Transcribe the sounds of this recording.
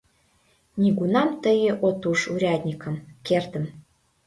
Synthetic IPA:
nʲiɡunɑmt̪əjəʔot̪uʃuɾʲɑd̪ʲnʲikə̆mkert̪ə̆m

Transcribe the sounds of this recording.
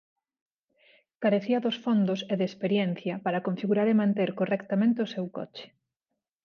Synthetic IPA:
kaɾeθiɐðosfond̪oseðeːspeɾjɛn̟θjɐpaɾɐkõɱfiɣuɾaɾemãnt̪eɾkorɛkt̪amẽnt̪eosewkɔ̰t͡ʃɪ̥

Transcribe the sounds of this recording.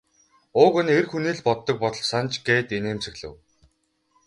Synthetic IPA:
ʊːɣɵ̆nerxuniːɮpɔt̪ːɞ̆k̚pɔt̪ɞ̆ɮsant͡ɕɡeːt̪eneːmt͡sɵ̆ɣɮɘ̰̆w

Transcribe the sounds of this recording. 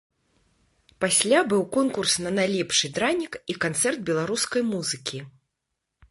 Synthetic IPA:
pasʲlʲabɨwkɔnkursnɐnajlʲɛpʂɨd̪ɾanʲikikant̪sɛrd̪̚bʲɛlˠaɾuskɐjmuzɨkʲi

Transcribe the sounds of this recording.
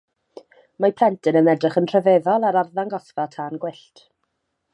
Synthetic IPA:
mapʰl̥ˠɛntʰɨnənɛdrɪχənr̥əveðɔlˠaɾarðaŋɡɔθvatʰaːnɡwɪɬt

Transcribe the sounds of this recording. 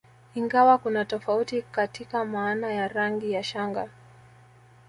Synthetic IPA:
iŋɡawakunatɔfautikatikamaːnajaɾaŋɡijaʃaŋɡa

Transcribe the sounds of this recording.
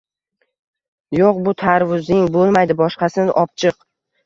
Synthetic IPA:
joq̚bʊt̪ʰaɾvʊzɪŋbolˠmajd̪ɪbɒʃqɑsɪnʔɒp̚t͡ʃʰɨq

